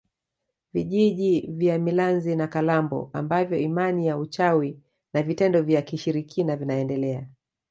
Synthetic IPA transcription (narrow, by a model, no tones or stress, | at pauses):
viʄiʄivjamilanzinakalambɔ̰a̰mbavjɔimanijaut͡ʃawi | navitɛndɔvjakiʃiɾikʰinavinaɛndɛlɛa